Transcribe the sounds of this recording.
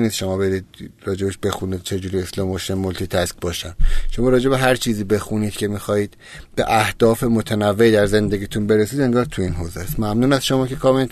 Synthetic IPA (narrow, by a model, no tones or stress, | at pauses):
niːst̪ʃo̞mɒːbe̞ɾiːd̪̚ɾɒːd͡ʒe̞beʃbe̞xunid̪̥̚t͡ʃʰe̞d͡ʒuːɾieslɒːmoʃemolt̪ʰit̪ʰæskbɒːʃæmʃo̞mɒːɾɒːd͡ʒe̞βe̞ɦæɾt͡ʃʰiːziːbe̞xuniːd̪̥cʰe̞mixɒːhiːd̪̥ | b̥e̞̰ʔæhd̪̥ɒːfemo̞t̪ʰænævːeid̪æɾze̞nd̪e̞ɡiːt̪ʰunbe̞ɾesiːd̪e̞ŋɡɒːɾt̪ʰuiːnɦoːzest̪mæmnuːnæsʃo̞mɒːcʰe̞kʰɒːmel